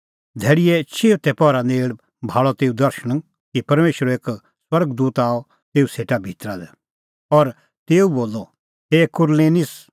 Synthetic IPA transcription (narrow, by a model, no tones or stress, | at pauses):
d̪ʱɛːɽɪjɛt͡ʃʰeːʋt̪ɛpɔɾaneːɭ | bʱaːɭɔt̪eːũd̪ɐɾʃəɽ̃ | kipɐɾmeːʃəɾeːk | swɐɾɡd̪uːt̪aːɔ | t̪eːuseːʈabʱit̪ɾad̪ɛ | ɔɾ | t̪eːuboːlːɔ | ɦeːkʊɾleːnɪs